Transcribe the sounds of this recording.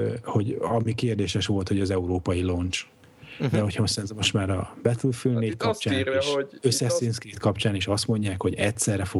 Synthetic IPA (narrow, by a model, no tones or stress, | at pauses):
ho̞ɟɒmikeːrd̪eːʃɛʃʋo̞lt̪ho̞ɟɒzɛuɾoːpɒjilo̞nt͡ʃ | d̪ɛɦo̞cʰhɒsɛnzomoʃmaːɾɒb̥ɛt̪ulfylneːtkɒpt͡ʃaːøsːɛsinskrit̪kɒpt͡ʃaːneːʃɒst̪mo̞ɲɟaːkho̞ɟɛtʲsɛrːɛfo